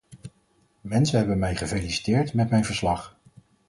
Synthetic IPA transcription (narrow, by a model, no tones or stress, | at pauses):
mɛnsəɦɛbənmɛjχəvejlisi̥tɪːɹtmɛtmɛjnvəɹslɑχ